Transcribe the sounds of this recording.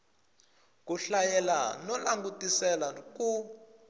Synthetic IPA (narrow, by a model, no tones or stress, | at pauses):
kuɬajɛla̰nɔlaŋɡutʼisɛlak̬ʼu